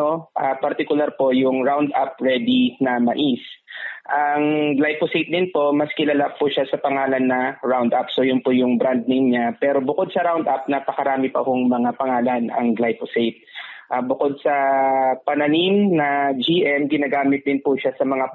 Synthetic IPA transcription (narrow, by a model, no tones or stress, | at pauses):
oʔapɐɾt̪ɪkʊlaɾpo̞jʊŋɹawnd̪ʔap̚ɹɛd̪inɐmɐʔisʔɐŋɡ̪lajposejt̪̚d̪ɪnpo̞mɐskɪlalɐʔapːʊʃasɐpɐŋaːlɐnːɐɹawnd̪ʔapsojʊnpʊjʊŋbɾand̪̚nɪŋɲapɛːɾo̞bʊkod̪̚sɐɾawnd̪ʔap̚nɐpɐkɐɾaːmɪpɐhʊŋmɐŋapɐŋaːlɐnɐ̰ŋɡlajposejt̪̚ʔabʊko̞d̪̚sɐpɐnɐnimnɐd͡ʒiʔɛmɡɪnaːɡaːmɪt̪̚d̪ɪnpʊʃasɐmɐŋa